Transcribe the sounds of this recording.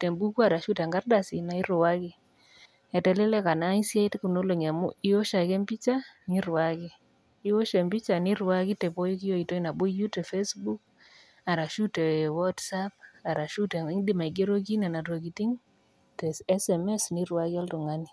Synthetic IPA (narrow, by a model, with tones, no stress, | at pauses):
tɛ˨mbu˦ku˦a˨ɾa˨ʃu˦ta˨ŋɡa˦rda˨si˨na˦i˦ɾʊ˨wa˦kɪ˦ | ɛ˨tɛ˨lɛ˦lɛ˦ka˨na˦i˦sja˦i˦tku˨no˦lo˨ŋa˨mʊ̰˦i˦o˦ʃa˨kɛ˦mbi˦t͡ʃa˦ni˦ɾwa˦kɪ˦ | i˦o˦ʃɛ˨mbi˦t͡ʃa˨ni˦ɾwa˦ki˦tɛ˨po˦ji˦ki˦jo˦i˨to˦i˦na˨bʊ˦ju˦tɛ˨fe˦sbu˦k̚ | a˨ɾa˨ʃu˦tɛ˨wɔ˦tsap̚a˨ɾa˨ʃu˦te˨˦ŋdi˦ma˨i˨ɡe˦ɾo˦k̬i˦na˨na˨ro˨ki˨ti˦ŋ | tɛ˨sɛ˦sɛ˨mɛ˦sni˦ɾwa˦ki˦ɔ˦ltu˨ŋa˦ni˨